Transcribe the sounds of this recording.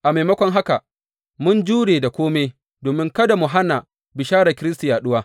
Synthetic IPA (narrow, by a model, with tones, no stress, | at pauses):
ʔa˨meː˨mɐ˦kʷɔ˦ŋɦa˦ka˨ | mʊ˦nd͡ʒuː˦ɽeː˨da˨kʷoː˦me˦ | doː˨mɪ˦ŋkɐ˦da˨mʊ˨ɦa˦na˨ | bɪ˨ʃaː˦ɾa˨kʲɪ˦ɾɪ˦sti˨jaː˨ɗʊ˦waː˦